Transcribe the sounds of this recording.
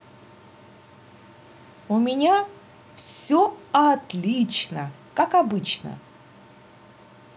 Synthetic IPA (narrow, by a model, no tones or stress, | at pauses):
ʊmʲɪnʲa | fsʲoɐt̪lʲit͡ɕnə | kakɐbɨt͡ɕnə̰